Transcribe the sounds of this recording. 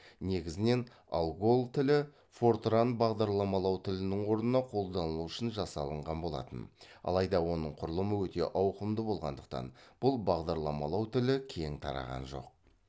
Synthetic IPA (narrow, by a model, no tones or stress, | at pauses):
ne̞ɡʲɪzɪne̞n | ɑ̰lˠɡo̞lˠt̪ʰɪlɪ | fo̞rt̪ɾanbɑʁd̪ɑɾlˠɑmɑlˠɑwt̪ʰɪlɪnɪɴwo̞ɾnənɑqʰo̞lˠd̪ɑnəlˠuʏʃɪnʒɑsɑlˠəɴʁɑnbo̞lˠɑ̰t̪ənɑ̰lˠɑjd̪ɑwo̞nəɴqʰʊɾəlˠəməwɵt̪e̞̰ʔɑwqəmd̪əbo̞lˠʁɑ̰nd̪əq̚t̪ɑ̰nb̥ʊlˠbɑʁd̪ɑɾlˠɑmɑlˠɑwt̪ʰɪlɪkʲʰe̞ŋt̪ʰɑ̰ɾɑ̰ʁɑ̰nʒo̞̰q̚